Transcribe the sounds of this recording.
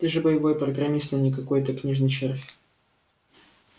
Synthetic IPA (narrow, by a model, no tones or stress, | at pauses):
t̪ʲɪʐɨbəjɪvo̞jpɾəɡɾɐmʲist̪ənʲɪkɐkojt̪əknʲiʐnɨjt͡ɕerfʲ